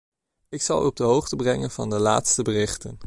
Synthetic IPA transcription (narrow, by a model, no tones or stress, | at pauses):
ɪksɑ̰lˠɔb̚dəɦowχtəbrɛŋənvɑ̰ndəla̰ːtstəbərɪχtən